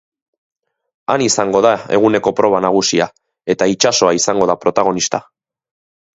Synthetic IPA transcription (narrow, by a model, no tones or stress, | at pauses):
anisaŋɡo̞ðae̞̰ɣune̞ko̞pɾo̞β̞anaɣ̞usia | e̞t̪ait͡ʃaso̞aisaŋɡo̞ðapɾo̞t̪aɣ̞o̞nist̪a